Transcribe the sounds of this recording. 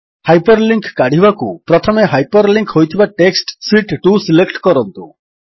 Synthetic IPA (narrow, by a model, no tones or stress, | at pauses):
hajpɔɾliŋkkaɽ̤ibakupɾɔt̪ʰɔmeɦajpɔɾliŋkɦojt̪ʰibaʈeksʈsiʈʈusilekʈkɔɾɔnt̪u